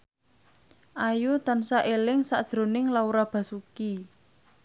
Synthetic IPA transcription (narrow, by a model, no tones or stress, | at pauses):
ʔajut̪ansaʔelɪŋsa̰ʔd̥ʒ̥ɾo̤nɪŋlauɾab̥ä̤suki